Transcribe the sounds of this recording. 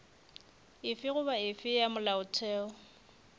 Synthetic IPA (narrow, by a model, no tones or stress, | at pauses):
ɪfɪɣʊbaɪfɪjamʊlaʊtʰɛːɔ